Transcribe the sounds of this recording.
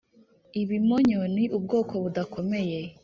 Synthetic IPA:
iβimoɲoniʔub̚ɡo̞ːkʰo̞βudakʰo̞me̞je

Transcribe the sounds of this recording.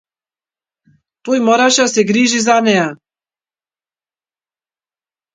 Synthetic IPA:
t̪ujmɔɾaʃasɛɡɾiːʒizanɛa

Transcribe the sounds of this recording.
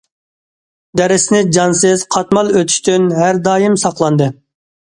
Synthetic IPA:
d̪ɛɾɪsɪnɪd͡ʒɑnsɨzqʰɑt̪mɑlˠøt̪ʰy̥ʃt̪ynɦæɾd̪ɑːjɨmsɑqlˠɑnd̪ɨ

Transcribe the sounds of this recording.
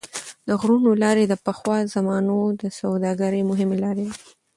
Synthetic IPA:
d̪əɣɾunolɑɾed̪əpəxwɑzamɑnod̪əsawd̪ɑɡaɾemʊɦɪmelɑɾew̪i

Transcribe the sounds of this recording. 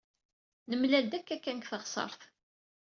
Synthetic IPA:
nəmlæld̪ækːækːænkθəʁsˤə̰ɾˤθ

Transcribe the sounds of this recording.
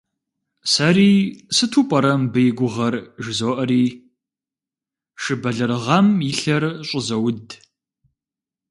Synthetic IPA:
sɐɾiːsɨtʰuːpʼɐɾɐmbɨjɪɡʷʊʁɐrʒɪzoːʔɐɾiː | ʂɨbɐɮɨɾɨʁɐmjiɬɐrɕʼɪzɐwʊd

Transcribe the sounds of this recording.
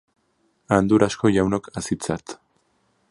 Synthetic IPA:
and̪uɾasko̞ʝawnokasit͡sat̪

